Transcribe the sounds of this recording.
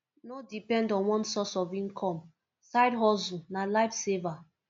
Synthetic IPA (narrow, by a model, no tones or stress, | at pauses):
nodipɛ̃ndɔ̃nwɔ̃nsɔsɔvĩnkʰɔ̃m | sajdɦɔsunalaɪfseva